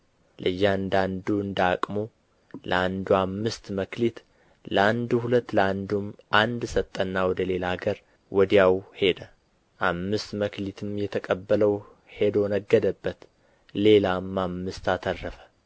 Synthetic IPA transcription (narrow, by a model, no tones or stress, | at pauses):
lʔɨjːhaɨnd̪and̪uɨnd̪akʼmo | lʔə̰and̪uamːɨst̪məklit̪ | ləand̪uhulət̪ːləand̪umʔand̪sət̪ʼːənːawɔd̪əle̞laɡəɾ | wɔd̪ijawhe̞d̪ə | ʔamːɨst̪məklit̪ʰɨmjɛt̪ʰəkʼəbːələw | he̞d̪onəɡːəd̪əbːət̪ | le̞lamːamːɨst̪at̪ʰərːəfə̥